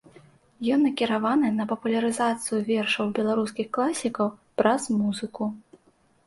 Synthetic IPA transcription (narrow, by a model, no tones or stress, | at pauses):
jɔnːɐkʲiɾavanɨnɐpɐpulʲɐɾɨzat̪sɨjuvʲɛrʂɐwbʲɛlˠaɾuskʲixklˠasʲikɐwpɾʔɐzmuzɨku